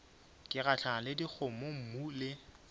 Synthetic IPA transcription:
kʼɪɣat͡ɬʰaŋalɪdik͡xʰʊmom̩mulɪ

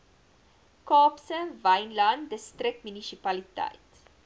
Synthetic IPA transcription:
kɑːpsənvɐjnlɐndəstrək̚tmynisipɐlitɐ̰jt

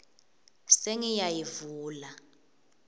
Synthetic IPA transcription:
seŋijajivuːla

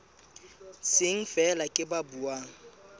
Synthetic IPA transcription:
sɪŋ̩fɛlakʼɪbabuaːŋ̩

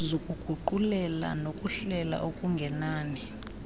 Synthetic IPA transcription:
zokʼuɡ̥ʱuǃulɛla̰nokʼuɬɛla̰ʔokʼuŋɡʱɛnaːni

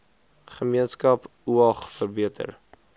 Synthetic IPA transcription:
χəmiənskɐpuɐχfərbiətʰə̰r

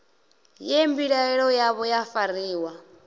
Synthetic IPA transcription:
jembiɺaɛɺɔjaβɔjafaɾiːwa

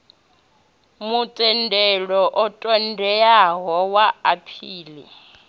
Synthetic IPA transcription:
mut͡sʼɛndʱɛlɔʔɔtʼɔndʱɛaɦɔwaapʰiːlḭ

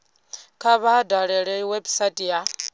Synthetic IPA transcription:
kʰaβaːdaɺɛɺɛwɛbsatʼja

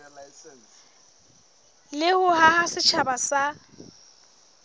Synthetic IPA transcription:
lɪhʊhahasɪt͡ʃʰabasa

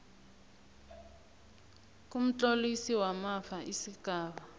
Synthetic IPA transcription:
k̬um̩t͡ɬolisiwamafaʔisikaːβa

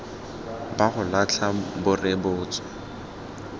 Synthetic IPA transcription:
baχʊlat͡ɬʰabʊrɪbʊːt͡sɔ̥

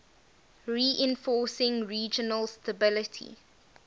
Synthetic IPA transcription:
ɹiːʔɪ̃nfɔːˑsɪ̃ŋɹiːd͡ʒənəlstʰəbɪlɪtʰḭ

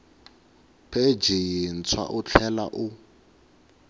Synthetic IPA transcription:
pʰed͡ʒin̩t͡sʰwa̰ʔʊt͡ɬʰɛla̰ʔʊ

